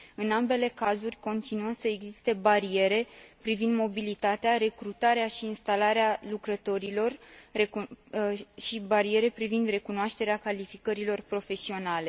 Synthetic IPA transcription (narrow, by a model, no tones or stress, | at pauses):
ɨnambe̞le̞kazurʲko̞nt̪inuəsəe̞ɡzist̪e̞baɾie̞ɾe̞pɾivind̪mo̞bilit̪at̪eaɾe̞kɾut̪aɾeaʃiːnst̪alaɾealukɾət̪o̞ɾilo̞re | ʃibaɾie̞ɾe̞pɾivind̪re̞kunoaʃt̪e̞ɾeakalifikəɾilo̞rpɾo̞fe̞sio̞nale̞